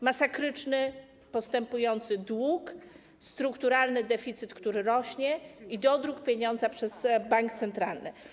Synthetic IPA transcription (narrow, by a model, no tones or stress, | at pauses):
masakɾɘt͡ʂnɘ | pɔst̪ɛmpujɔnt̪sɘd̪wuk | st̪ɾukt̪uɾalnɘd̪ɛfʲit̪sɘt̪kt̪uɾɘɾɔɕɲɛid̪ɔd̪ɾukpʲjeɲɔnd̪zapʂɛz̥baŋkt̪sɛnt̪ɾalnɘ̰